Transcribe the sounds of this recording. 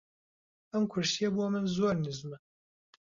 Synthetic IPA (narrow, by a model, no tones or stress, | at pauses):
ɐmkʰʊɾsijɐboɔmɨnzoɾnɨzmɨ